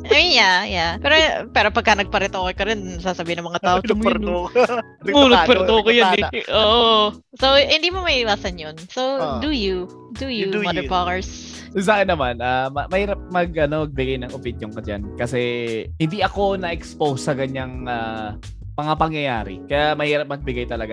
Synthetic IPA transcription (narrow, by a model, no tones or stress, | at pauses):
ʔɐjminjajapɛːɾopɛːɾopɐɡ̚kːɐnɐɡ̚pɐɾɛt̪ʔoːkojkɐɾɪnɐsaːsɐbiːɪnɐŋmɐŋat̪aːʔoɾo | munopɛɾt̪okojoɛʔoːʔo | sowhɪnd̪iːmomɐʔiːwaːsɐnjonsowd̪uju | d̪ujuɐd̪ɛpakɐɹs | s̬akɪnːɐmanʔamɐmɐhiːɾɐp̚mɐɡʔɐnomɐɡ̚bɪɡajnɐŋopinjoŋkɐd͡ʒa̰nkɐsɛhɪnd̪iɐko̞nɐʔɛkspowsːɐkɐɲaŋaː | mɐŋapɐŋjɐja̰ːɾɪ̰kɐjamɐhiːɾɐp̚mɐɡ̚bɪɡajt̪ɐlɐɡa